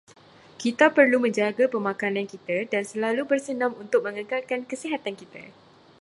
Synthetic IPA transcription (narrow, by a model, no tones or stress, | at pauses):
kit̪apərlumə̃ɲd͡ʒaɡapəmãkanãnkit̪adansəlalubərsənãmunt̪ʊk̚mə̃ŋəkalkankəsiɦat̪ankit̪a̰